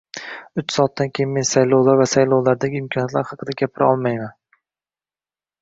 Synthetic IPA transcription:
ʊt͡ʃsɒːt̪̚ːankʲʰejɪnme̞nsajlˠowlˠaɾvasajlˠowlˠaɾd̪aɡʲɪɪmkʰɒnjat̪laɾhɑqʰɨd̪aɡʲapʰɪɾɒlˠmajman

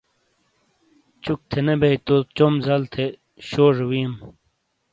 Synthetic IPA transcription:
t͡ɕuk̚t̪ʰenebeit̪ot͡ɕomzɐlt̪ʰe | ɕoːʐwiːm

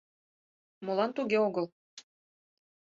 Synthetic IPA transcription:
molɑnt̪uɣeoɣəl

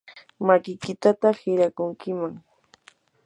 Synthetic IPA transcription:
makɪkɪt̪at̪ahɪɾakʊŋkɪmaŋ

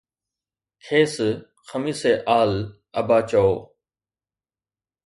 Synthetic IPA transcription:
kʰeːs | xʰəmiːseːʔaːl | əbaːt͡ʃooː

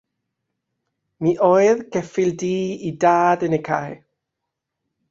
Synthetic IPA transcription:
miːʔoːɨðɡɛfɪlˠdiːidaːdənekʰa̰j

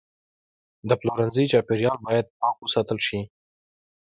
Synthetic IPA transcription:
d̪əploɾanzəjt͡ʃɑpeɾjɑlbɑjad̪̚pɑkwəsɑt̪əlʃi

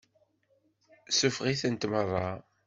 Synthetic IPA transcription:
sufʁiθənt̪mərˤːɑ

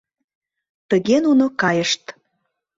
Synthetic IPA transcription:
t̪əɣenunokɑjəʃt̪

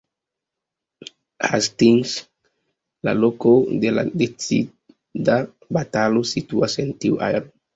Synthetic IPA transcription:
ha̰stins | la̰lokodela̰det͡sḭ | da | batalosituasentiuʔa̰eɾo

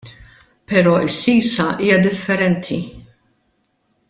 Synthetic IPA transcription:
pɛɾɔːɪsːiːsɐʔiːjɐd̪ɪfːɛɾɛnt̪ʰi

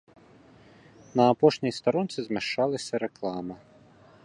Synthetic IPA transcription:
nɐːpɔʃnʲijst̪ɐɾɔnt̪sʲizmɛʃt͡ʃɑlˠɐsʲɐɾeklˠɑmɐ

